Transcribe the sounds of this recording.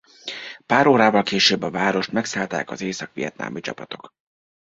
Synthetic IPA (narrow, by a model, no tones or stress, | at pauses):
paːɾoːɾaːvɒlkeːʃøːbːɒvaːɾo̞ʃt̪mɛksaːlt̪a̰ːkɒzeːsɒkʋijɛt̪̚na̰ːmit͡ʃɒ̰pɒt̪o̞k